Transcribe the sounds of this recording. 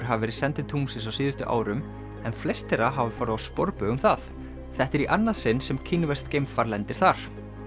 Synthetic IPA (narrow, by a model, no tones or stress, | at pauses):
ɾ̥ɦavɪvɛːɾɪsɛnt̪ɪt̪ʰumsɪnsawsiːðʏst̪ʏʔa̰ːwɾʏm | ɛnflɛst̪ɛɾaɦavʏfaːɾʏvawspɔɾpʏʏmθaθ | θɛht̪ɪɾiʔanːasɪnːsɛmkʰiːnʏvɛst̪kejmfaɾlɛnt̪ɪɾ̥θaɾ̥